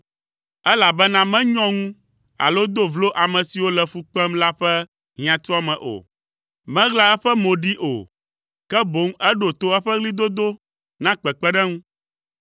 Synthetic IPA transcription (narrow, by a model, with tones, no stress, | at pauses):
ɛ˦la˨bɛ˦nã˦mɛ̃˦ɲɔ̃˦ŋũ˦ | a̰˨lo˦d̪o˦vlo˦ʔa˨mɛ̃˨si˨wo˦lɛ˨fu˦k͡pɛ˦mla˦ɸɛ˦ | ɦĩ˨ã˨t̪ɔ˦a˦mɛ̃˨ʔo̰˨ | mɛ̃˦ɣla˦ɛ˦ɸɛ˦mõ˨ɖi˦ʔo̰˨ | kɛ˦bo˨˦ŋɛ˦ɖo˨t̪o˦ɛ˦ɸɛ˦ɣli˦d̪o˦d̪o˦ | nã˦k͡pɛ˨k͡pɛ˦ɖɛ˦ŋũ˦